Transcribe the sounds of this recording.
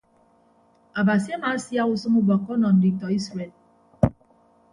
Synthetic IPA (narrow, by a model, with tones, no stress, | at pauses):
a˨ba˨si˦a˦ma˨˦si˦a˦u˦sɔ˦mu˦bɔ˨kɔ˦nɔ˨n̩˨di˨tɔ˨i˦sɾe˨l